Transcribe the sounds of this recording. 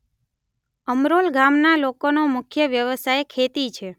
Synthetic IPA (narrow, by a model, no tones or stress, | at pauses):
əmɾolɡamnalokonomʊkʰjəʋjəʋəsajkʰet̪it͡ʃʰe